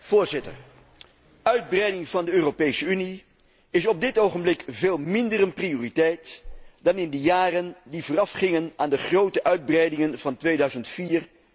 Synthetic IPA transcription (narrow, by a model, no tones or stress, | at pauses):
v̥oːɹzɪtə̰ɹ | œɥd̚brɛjdɪŋv̥ɑndəøːropejsəyni | ɪsɔb̚dɪtowχənblɪkveːlˠmɪndərənprioːritɛjtdɑnɪndəjaːrəndivʊːrɑfχɪŋənaːndəχrowtəʔœɥd̚brɛjdɪŋənv̥ɑntʋejdœɥzəntfiːr